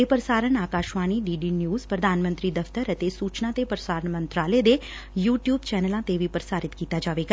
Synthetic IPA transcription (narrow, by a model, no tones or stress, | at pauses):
epəɾəsaːɾənaːkaːʃʋaːniːɖiːɖiːnjuːzpɾəd̪ʱaːnmə̃nt̪ɾiːd̪əɐfʰt̪əɾət̪esuːt͡ʃnãːt̪epɾəsaːɾəɳmə̃nt̪ɾaːled̪ejuːʈjuːbt͡ʃɛːnəlãt̪eʋipɾəsaːɾɪt̪kiːt̪aːd͡ʒaːʋeːɡaː